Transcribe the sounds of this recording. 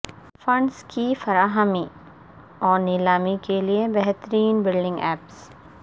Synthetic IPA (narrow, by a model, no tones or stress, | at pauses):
fɐ̃ɳɖskifɐɾaːɦəmi | ɔːɾnɪlaːmikeliebɛɦt̪əɾiːnbɪlɖɪ̃ŋɡɛːps